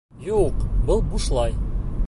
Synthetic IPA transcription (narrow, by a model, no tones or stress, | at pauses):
juqbɤlˠbuʃlˠɑj